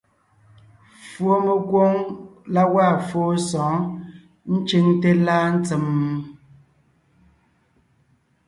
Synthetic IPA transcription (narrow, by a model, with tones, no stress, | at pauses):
fwo˦me˨ɡwo˦ŋla˦waː˦˨fwo˦sɔ̃ː˨˦ | n̩˦t͡ʃi˦ŋte˦la˦n̩˦t͡sə˨m˦